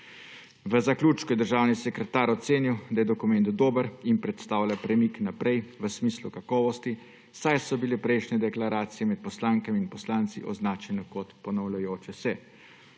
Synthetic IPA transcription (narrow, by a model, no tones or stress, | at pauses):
ʋəzaklʲuːt͡ʃkɔɛd̪əɾʒaːwnisɛkɾɛt̪aːɾɔt̪seːniwd̪ajɛd̪ɔkumɛnt̪d̪oːbəɾinpɾɛt̪st̪aːwlʲjapɾɛmiknapɾʔɛjʋəsmiːslukakɔːʋɔst̪i | sajsɔbilɛpɾɛjʃnɛd̪ɛklaɾaːt̪sijɛmɛt̪̚pɔslaːŋkɛminpɔslaːnt̪sḭʔɔ̰znaːt͡ʃɛnɔkɔt̪pɔnɔwlajoːt͡ʃɛsɛ